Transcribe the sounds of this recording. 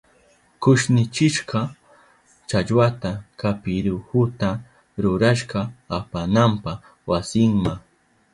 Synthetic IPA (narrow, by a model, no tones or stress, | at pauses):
kʊʃnɪt͡ʃɪʃɢɑ | t͡ʃaʎwat̪akapɪɾʊhʊt̪a | ɾʊɾaʃɢɑapanampa | wasɪŋma